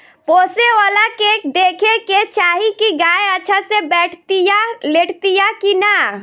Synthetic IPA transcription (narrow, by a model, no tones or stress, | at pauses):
poseolakekd̪ekʰeket͡ʃaɦikiɡaeəːt͡ʃʰasebɛʈʰt̪ijaleʈʰt̪ijakina